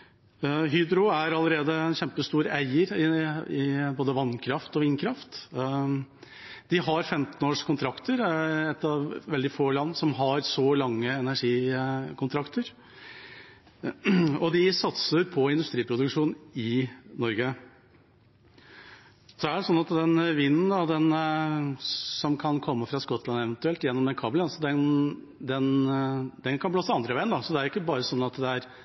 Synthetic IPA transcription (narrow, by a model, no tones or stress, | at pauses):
ɦyːd̪ɾʊæɾɑləɾeːd̪əɛnçɛmpəst̪uːɾæɪəɾɪɪboːd̪əʋɑnːkʰɾɑft̪ɔʋiːnkʰɾɑft̪ | d̪̥ɪɦɑɾfɛmt̪noːʂkʰʊnt̪ʰɾɑkt̪əɾɛt̪ːɑʋʋɛld̪ɪfoːlɑnːsɔmɦɑɾsɔlɑŋːəɛnæʂiːkʰʊnt̪ʰɾɑkt̪əɾ | ɔd̪ɪsɑt̪səɾpʰɔɪnd̪ʉst̪ɾiːpʰɾʊd̪ʉkʂuːnɪnɔɾɡə | sɔæɖɛsɔnːɑt̪d̪ɛnʋinːənd̪ɑd̪ɛn | sɔmkʰɑnkʰɔmːəfɾɑskɔt̪ːlɑnɛʋɛnt̪ʉɛlt̪jɛnːɔmd̪ɛnkʰɑːblənsɔd̪ɛn | d̪ɛnd̪̥ɛnkʰɑnbloːsəɑnd̪ɾəʋæɪənd̪ɑsɔd̪ɛæɾɪkːəbɑːɾəsɔnːɑt̪d̪ɛæɾ